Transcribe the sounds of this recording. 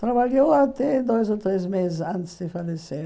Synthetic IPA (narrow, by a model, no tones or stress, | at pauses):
t̪ɾaβaljoat̪ɛd̪ojzot̪ɾezmezɪsɐ̃nt̪ɪ̥sd̪ɪfalese